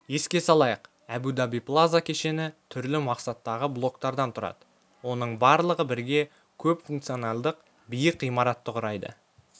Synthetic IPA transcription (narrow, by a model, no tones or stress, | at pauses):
je̞skʲe̞sɑlˠɑjəq | æbud̪abijplˠazakʲʰe̞ʃe̞nɪt̪ʰʏɾlɪmɑqsɑt̪ːɑʁəblˠo̞kt̪ɑɾd̪ɑnt̪ʰʊɾɑ̰d̪ə̥ | wo̞nəɴbɑɾlˠəʁəbɪɾɡʲe̞ | kʲʰɵpfuŋk̚t̪sijonɑlˠd̪əq̚ | bijəqijmɑɾɑt̪ːəqʊɾɑjd̪ə̰